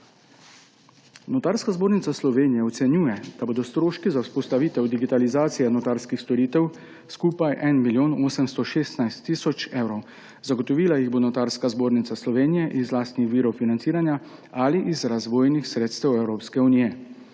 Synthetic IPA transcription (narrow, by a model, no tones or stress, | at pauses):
nɔt̪aɾskazboːɾnit̪saslɔʋeːnijɛɔt̪sɛnjuːjɛd̪̥aboːd̪ɔst̪ɾoːʃkizawspɔst̪aʋiːt̪ɛwd̪iɡit̪alizaːt̪sijɛnɔt̪aɾskixst̪ɔɾiːt̪ɛw | skuːpajʔɛnmiljoːnoːsəmst̪ɔʃeːst̪najst̪ːiːsɔt͡ʃewɾɔw | zaɡɔt̪ɔʋiːlajiɣboːnɔt̪aɾskazboːɾnit̪saslɔʋeːnijɛʔizlaːst̪nixʋiːɾɔwfinant̪siːɾanjaaliʔizɾazʋoːjnixsɾeːt̪st̪ɛwɛwɾoːpskɛuniːjɛ